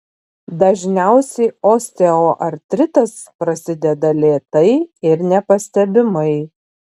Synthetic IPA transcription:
d̪ɐʒʲnʲæˑʊsʲɛɪoːsʲt̪ʲɛoːʔɐɾʲt̪ʲɾʲɪt̪ɐspɾɐsʲɪd̪ʲɛd̪ɐlʲeːt̪ɐɪɪɾnʲɛpɐsʲt̪ʲɛbʲɪmɐɪ

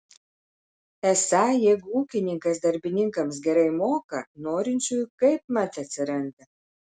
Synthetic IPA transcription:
ɛsɑjɛɡuːkʲɪnʲɪŋkɐs̬d̪ɐɾʲbʲɪnʲɪŋkɐms̬ɡʲɛɾɐɪmoːkɐnoːɾʲɪnʲt͡ʃʲujkɐɪp̚mɐt̪ʲɐt̪ʲsʲɪɾɐnʲd̪ʲɐ

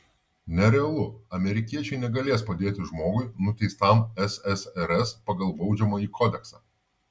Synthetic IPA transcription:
nʲɛɾʲɛɐlˠʊɐmʲɛɾʲɪkʲiɛt͡ʃʲɛɪnʲɛɡɐlʲeːspɐd̪ʲeːt̪ʲɪʒmoːɡʊɪnʊt̪ʲɛɪst̪ɐmɛsɛsɛɾɛspɐɡɐlˠbɒʊd͡ʒʲɛmoːiːkʰɔːd̪ʲɛksɑː

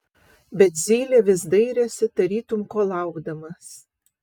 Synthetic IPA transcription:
bʲɛt̪zʲiːlʲeːʋʲɪsd̪ɐɪɾʲɛsʲɪt̪ɐɾʲiːt̪ʊmkoːlˠɐˑʊɡd̪ɐmɐs

